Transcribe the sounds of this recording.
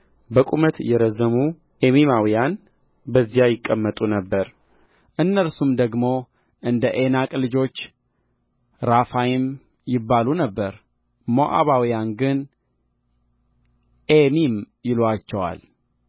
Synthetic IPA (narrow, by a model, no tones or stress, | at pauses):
bəkʼumət̪jɛɾəzːəmu | ʔemimawijan | bəzːijajɪkʼːəmːət̪ʼunəbːəɾ | ʔɨnːəlsumd̪əɡmo̞ | ʔɨnd̪əʔe̞nakʼlɨd͡ʒo̞t͡ʃː | ɾafajɪm | jɪbːalunəbːəɾ | moʔa̰βawijanɡɨn | ʔemim | jɪlwat͡ʃːɛwa̰l